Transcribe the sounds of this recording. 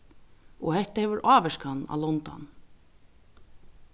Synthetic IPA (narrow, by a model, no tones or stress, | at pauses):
ɔhɛt̪ahɛːʋʏɾʔaːʋɛʂkhanːa̰lɔnt̪a̰n